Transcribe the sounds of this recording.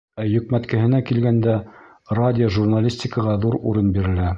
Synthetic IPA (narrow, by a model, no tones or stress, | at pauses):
æjɵ̆kmæt̪kɘ̆ɦɘ̆nækilɡænd̪æ | radʲɪoʒurnalʲisʲtʲɪkɤʁɑðuɾṵɾɤnbiɾɘ̆læ